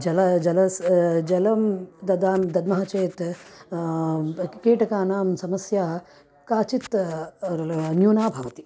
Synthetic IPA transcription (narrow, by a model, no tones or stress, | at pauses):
d͡ʒɐlɐd͡ʒɐlɐsd͡ʒɐlɐmd̪ɐd̪aːmd̪ɐd̪mɐɦat͡ʃeːt̪ | keːʈɐkaːnaːmsɐmɐsjaː | kaːt͡ʃit̪ | njuːnaːbʱɐːʋɐt̪i̥